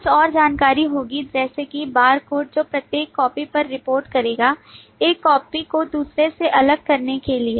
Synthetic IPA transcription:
sɔːɾd͡ʒaːnkaːɾiɦoːɡid͡ʒɛːsekibaːɾkoːʈ̚d͡ʒoːpɾɐt̪jeːkːɔːpipɐɾːɪpoːɾʈkɐɾeːɡa | eːkkːɔːpikod̪uːsɾeseʔɐləɡ̚kɐɾnekelieː

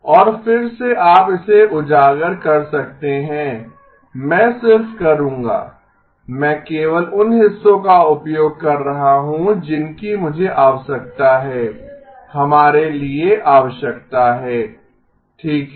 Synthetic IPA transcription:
ɔːɾfɪɾseʔaːpɪseʔʊd͡ʒaːɡəɾkɐɾsɐk̚t̪eɦɛ̃ː | mɛ̃ːsɪɾfkɐɾũːŋɡa̰ː | mɛ̃ːkeːʋəlʊnɦɪsːõkaʊpjoːɡ̚kɐɾːɐɦaɦũd͡ʒɪnkimʊd͡ʒʱeʔaːʋəsɐk̚t̪aɦɛː | hɐmaːɾelieʔaːʋəʃjək̚t̪aɦɛː | ʈʰiːkɦ

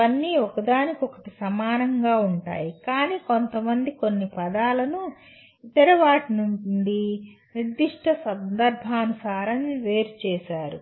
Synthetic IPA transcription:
ɐnːiːɔkɐd̪aːnikiɔkɐʈisɐmaːnɐŋɡaːuɳʈa̰ːjikaːniːkont̪ɐmɐnd̪ikonːipɐd̪aːlɐnu | it̪ɐɾiʋaːʈinuɳɖi | niɾd̪ːiʂʈɐsɐnd̪ɐɾbʱaːnusaːɾɐnʋe̞ːɾut͡ʃɛːʃaːɾu

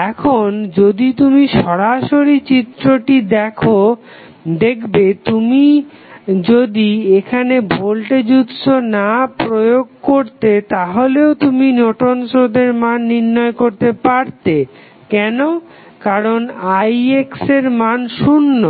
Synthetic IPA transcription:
ɛkʰond͡ʑod̪it̪umiʃɔɾaʃoɾit͡ɕit̪ɾoʈid̪ɛkʰo | d̪ekʰbet̪umi | d͡ʑod̪iekʰanebʱolʈed͡ʑut̪ʃonapɾojoɡ̚koɾt̪et̪aɦoleot̪uminɔʈonʃod̪eɾmanːiɾnɔekoɾt̪epaɾt̪e | kɛno | kaɾonajekseɾmanʃunːo

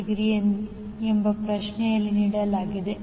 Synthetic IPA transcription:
ɡɾijɐnd̪i | embɐpɾɐʂnɛjɐlːiniːɽɐlaːɡid̪e

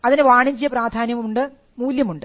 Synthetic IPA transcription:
ɐðinɨʋaːɳiɲd͡ʑijɐpraːd̪ʱaːnjɐmuɳɖɨ | muːljɐmuɳɖɨ

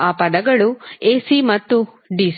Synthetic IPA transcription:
aːpɐd̪ɐɡɐɭueːsimɐt̪ːu | ɖiːs

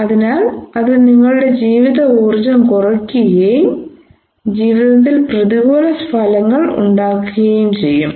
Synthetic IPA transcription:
ɐðinaːlɐðɨniŋːɐɭuɽe̞d͡ʑiːʋiðɐuːrd͡ʑɐmkurɐkːuɣejum | d͡ʑiːʋiðɐt̪̬ːilprɐðiɣoːlɐspʰɐlɐŋːɐɭṵɳɖaːkːuɣɐjumt͡ɕe̞jːum

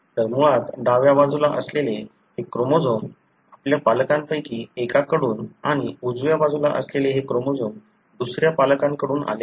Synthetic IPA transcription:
t̪əɾmuɭat̪ɖaʋjabad͡zulaʔəslele | hekɾomod͡zom | apljapaləkampəjkiːekakəɽuːnaɽ̃iud͡zʋjabad͡zula̰ʔə̰sleleɦekɾomod͡zom | d̪usɾjapaləkãŋkəɽuːna̰le

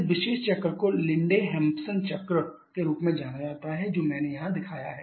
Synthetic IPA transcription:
ʋɪʃeːʃt͡ʃɐkɾəkolɪ̃ɳɖeɦɛ̃ːmpsənt͡ʃɐkɾə | keɾuːpmẽd͡ʒaːnad͡ʒaːt̪aɦɛd͡ʒoːmɛ̃ːnejɐɦãd̪ɪkʰaːja̰ɦɛː

